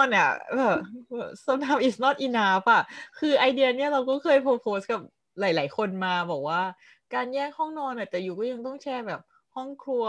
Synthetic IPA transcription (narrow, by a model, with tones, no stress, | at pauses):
nʔa̰˨˩ʔɤː˧˩˧sa˧˩naa˧˦mʔi˨˩snɔː˥˩t̪̚ʔiː˧˩naː˦pa˨˩kʰɯː˧ʔa˧jdi˧əni˥˩ɐɾa˧wkɔː˥˩kʰɤː˧jpʰoː˧pʰoː˨˦˥s̚ka˨˩p̚ | laː˨˩˦jlaː˩˦jkʰo˧nmaː˧bɔː˨˩k̚waː˥˩ | kaː˧njɛː˥˩k̚hɔ˥˩ŋnɔː˧nʔa˨˩t̪ɛː˨˩juː˨˩kɔː˥˩ja˧ŋt̪ɔ˥˩ŋt͡ɕʰɛː˥˩bɛː˨˩p̚ | hɔ˥˩ŋkʰu˧ɐ